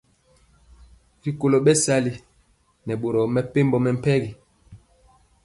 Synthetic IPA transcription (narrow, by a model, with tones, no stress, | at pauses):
ɾi˨ko˨lo˨ɓɛ˦sa˦li˨ | nɛ˨ɓo˨ɾɔ˨mɛ˨pe˦mbɔ˨mɛ˨m̩˦˨pɛ˦ɡi˨